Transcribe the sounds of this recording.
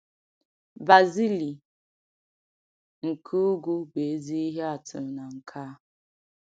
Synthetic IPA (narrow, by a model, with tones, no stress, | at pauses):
ba˨zi˦li˨ | ŋ̩˨kʰu˦ɡu˦be˨e˦zi˦i˦ɦe˦a˨tʊ̰˨na˨ŋ̩˨kʰa˦